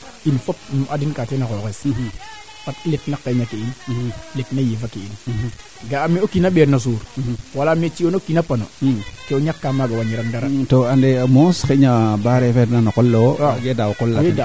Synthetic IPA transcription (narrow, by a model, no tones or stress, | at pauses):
infop̚nuʔadinkatenakokes | fatletnakːeɲakeinletnajifakein | ɡaːmiokinaɓeɾnas̬uːɾwalamet͡ʃionokinapanokɛoɲakːamaɡawaɲiɾaŋdaɾatoandemoskeɲabaɾefednanakɔlːoaɡedawkɔlːaeda